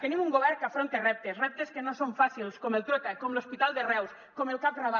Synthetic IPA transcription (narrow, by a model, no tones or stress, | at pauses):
k̪enimuŋɡoβɛɾkafɾont̪erɛp̚t̪esrɛp̚t̪eskenosoɱfasilskomelˠt̪ɾok̪akomlospit̪alˠd̪erɛws | komelˠkap̚raβa